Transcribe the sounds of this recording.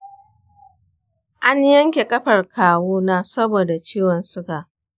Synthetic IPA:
ʔa˦ɲjɐ˦ŋkʲe˨kʼɐ˦ɸɐ˨rkʰaː˨woː˦naː˦sɐ˦boː˨da˨t͡ʃiː˦wɐ˨nsʊ˦ɡaː˨

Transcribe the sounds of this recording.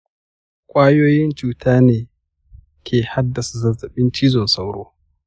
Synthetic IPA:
kʷʼaː˦joː˦jɪ˦nt͡ʃuː˦tʰaː˦neː˨ | kʲʰeː˨ha˦dːa˨sa˨zɐ˨zɐ˨ɓɪ˦nt͡ʃiː˦zɔ˨nsa˦wɽoː˦

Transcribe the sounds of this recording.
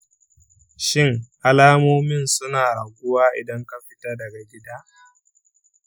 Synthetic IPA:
ʃɪ˦˨ŋʔa˦laː˦moː˦mɪ˦nsʊ˦naː˨ʔa˨ɡʷʊ˦waː˦ʔɪ˨dɐ˦ŋka˦ɸɪ̥˦taː˦dɐ˨ɡa˨ɡʲɪ˦daː˦

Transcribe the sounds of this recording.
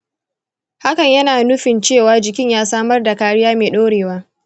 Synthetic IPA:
ha˦kɐ˨ɲjɐ˦naː˨nʊ˦ɸɪ˨nt͡ʃeː˦˨waː˦d͡ʒɪ˨kʲɪ˦ɲjaː˦saː˦mɐ˦rda˨kaː˦ɽɪ˦jaː˦meː˨ɗoː˦ɽeː˨waː˦

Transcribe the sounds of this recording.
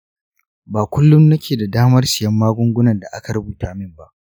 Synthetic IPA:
baː˨kʷʊ˦lːʊ˦mːɐ˦kʲeː˨da˨daː˦mɐ˦rsɪ˨jɐ˦mːaː˦ɡʷʊ˦ŋɡʷʊ˦nɐ˨nda˨ʔa˦ka˨ɾɐ˦buː˨taː˨mɪ˦mba˦ʔ

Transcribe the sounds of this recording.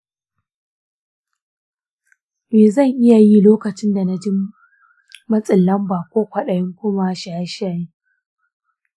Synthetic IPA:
meː˨zɐ˦˨ŋʔɪ˦ja˨ji˦loː˦kɐ˨t͡ʃɪ˦nda˨na˦d͡ʒɪ˦mː | ɐ˦sʼɪ˨lːɐ˦mbaː˨kʷoː˦kʷɐ˨ɗɐ˨jɪ˦ŋkʷʊ˦maː˦ʃaː˨˦ʃaː˦˨ji˦

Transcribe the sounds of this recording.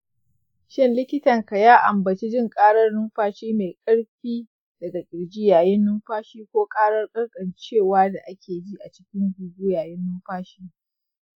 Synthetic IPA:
ʃɪ˦˨nlɪ˦kʲɪ˦tɐ˨ŋka˨jaː˦ʔa˨mbɐ˨t͡ʃi˦d͡ʒɪ˦˨ŋkʼaː˦ɽɐ˦rnʊ˦mɸaː˦ʃiː˦meː˨kʼɐ˦ɽɸiː˦ | dɐ˨ɡa˨kʲʼɪ˨ɽd͡ʒi˦jaː˨jɪ˦nːʊ˦mɸaː˦ʃiː˦kʷoː˦kʼaː˦ɽɐ˦rkʼɐ˦rkʼɐ˨nt͡ʃeː˦˨waː˦da˨ʔa˦kʲʰeː˨d͡ʒi˦ʔa˨t͡ʃɪ̥˦kʲɪ˦ŋɡʷu˨ɡuː˦jaː˨jɪ˦nːʊ˦mɸaː˦ʃiː˦

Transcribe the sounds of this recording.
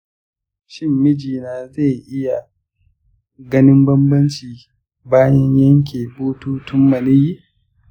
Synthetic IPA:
ʃɪ˦mːɪ˦d͡ʒiː˨naː˨ze˦˨ʔɪ˦ja˨ | ɡɐ˦nɪ˦mbɐ˦mbɐ˦nt͡ʃiː˨ | baː˦jɐ˦ɲjɐ˦ŋk̬ʲeː˨boː˦tuː˦tʊ˦mːɐ˨nɪ˦ji˦ʔ

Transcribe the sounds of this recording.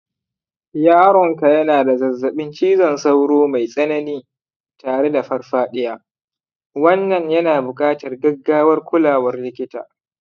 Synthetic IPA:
jaː˦ɽɔ˨ŋka˨jɐ˦naː˨da˨zɐ˨zːɐ˨ɓɪ˦nt͡ʃiː˦zɐ˨nsa˦wɽoː˦ma˨jsʼɐ˦nɐ˦niː˦ | taː˨ɽe˦da˨ɸɐ˦rɸaː˦ɗɪ˦jaː˦ | wɐ˦nːɐ˨ɲjɐ˦naː˨bʊ˨kʼaː˦tɐ˨rɡɐ˦ɡːaː˦wɐ˦rkʷʊ˦laː˨wɐ˦rlɪ˦kʲɪ˦ta̰ː˨

